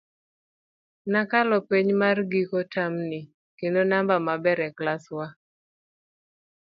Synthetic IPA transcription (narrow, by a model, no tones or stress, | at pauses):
nakalɔpeɲmarɡikɔtamnɪ | kendonambamabɛɾɛklaswa